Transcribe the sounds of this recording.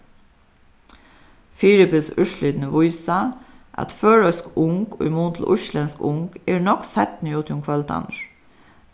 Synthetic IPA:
fɪɾɪpəsʉʃliːd̪nəʋʊɪsa | ʔɑ̰t̪føːɹœskʊŋko̰ːɪmuːnt̪ʰl̩ʔʊ̰ɹʃlɛnskʊŋkeːɹnɔksɛt̪nɪuːt̪ʰjʊmkʰʋɑlt̪ʰɑ̰nəɹ

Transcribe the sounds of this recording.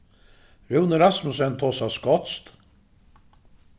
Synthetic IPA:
ɾʉwnəɾɑsmʊsɛnt̪ʰɔsɑskɔt̪st̪

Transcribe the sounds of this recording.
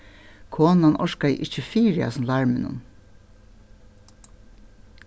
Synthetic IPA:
kʰoːnanʔɔʃkajʔɪht͡ʃəfiːɾɪa̰snlɑɹmɪnʊ̰n

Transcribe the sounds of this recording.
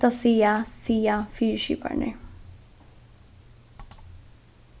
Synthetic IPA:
t̪ɐsijasijafiʂḭpa̰ɳḛ

